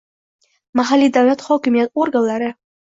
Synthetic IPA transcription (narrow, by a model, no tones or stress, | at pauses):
maɦalːid̪avlat̪hɒkʲɪmijat̪oɾɡanlaɾɪ